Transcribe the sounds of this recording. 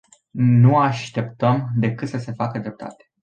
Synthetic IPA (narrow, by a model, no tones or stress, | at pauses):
nuaʃt̪e̞pt̪əmd̪e̞kɨt̪səse̞fakəd̪ɾe̞p̚t̪ʰa̰t̪e̥